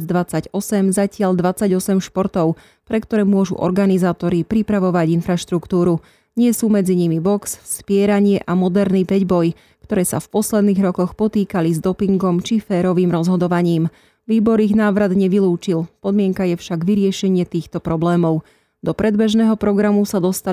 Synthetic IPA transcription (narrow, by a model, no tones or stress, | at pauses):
d͡zd̪ʋat͡saɟɔsɛmzacɪaʎd̪ʋat͡saɟɔsɛmʃpɔɾt̪ɔʊ | pɾɛkt̪ɔɾɛːmʊɔʒṵʔɔ̰ɾɡanizaːt̪ɔɾipɾipɾaʋɔʋaɟinfɾaʃt̪ɾukt̪uːɾu | ɲɪɛsuːmɛd͡ziɲimibɔksspɪɛɾaɲɪɛʔamɔd̪ɛɾnipɛɟbɔj | kt̪ɔɾɛːsa̰fpɔslɛd̪niːɣɾɔkɔxpɔt̪iːkalizd̪ɔpiŋɡɔmt͡ʃifɛːɾɔʋiːmɾɔzɦɔd̪ɔʋaɲiːm | ʋiːbɔɾiɣnaːʋɾad̪ɲɛʋiluːt͡ʃilpɔd̪mɪɛŋkajɛfʃaɡʋiɾɪɛʃɛɲɪɛt̪iːxt̪ɔpɾɔblɛːmɔʊ | d̪̥ɔpɾɛd̪bɛʒnɛːɦɔpɾɔɡɾamusad̪ɔst̪a